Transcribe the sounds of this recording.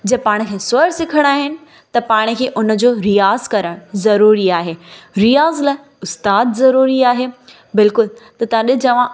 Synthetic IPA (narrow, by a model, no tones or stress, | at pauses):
d͡ʑɐpaːɽ̃̆kʰeːsʊəɾsɪkʰəɽ̃aːɦɪnɪ̆ | t̪ɐpaːɽ̃̆kʰeːʔʊn̆d͡ʑoːɾijaːzkɐɾəɽ̃zɐɾuːɾiaːɦeːɾijaːzlaːɪ | ʊst̪aːd̪zɐɾuːɾiaːɦeː | bɪlkʊlt̪ɐt̪ɐʋãɗɪd͡ʑɐʋ̤ã